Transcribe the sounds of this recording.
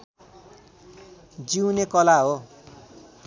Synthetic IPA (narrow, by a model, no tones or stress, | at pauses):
d͡ziwnekʌlaɦo